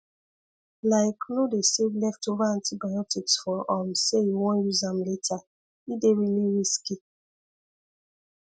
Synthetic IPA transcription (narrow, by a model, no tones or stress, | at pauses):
laɪknodesevlɛftovaantibajɔtiksfɔɔm̩seiŋɔjuzam̩leta | ideɾiliɾiski